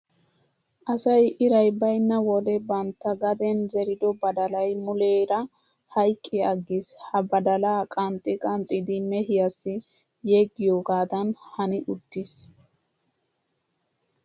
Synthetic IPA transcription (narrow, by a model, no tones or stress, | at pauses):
ʔɐsɐjʔɪɾɐjbɐjnːɐwɔd̪ɛbɐnt̪ːɐɡɐd̪ɛnzɛɾɪd̪ɔbɐd̪ɐlɐjmʊleːɾɐ | hɐjkʼːɪɐɡːɪshɐbɐd̪ɐlaːkʼɐnt̪ʼːɪkʼɐnt̪ʼɪd̪ɪnɛhɪjɐsːɪ | jeɡːɪjoːɡaːd̪ɐnhɐnɪʔʊd̪ːɪs